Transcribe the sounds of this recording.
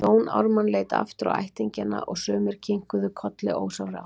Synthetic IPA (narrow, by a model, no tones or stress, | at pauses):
oːwna̰wɾmanleːjt̪a̰ft̪ɾa̰wajht̪iɲcɪnːa̰ʔɔɣsœːmɪɾ̥cʰiŋ̥kʏðʏkʰɔt̪lɪʔoːwsawɾa̰